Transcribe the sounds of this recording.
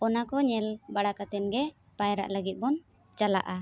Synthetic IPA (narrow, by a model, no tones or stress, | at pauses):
ɔnakɔɲɛlbaɽakat̪ɛnɡɛ | pajɾa̰ʔləɡit̪̚bɔn | t͡ʃala̰ʔa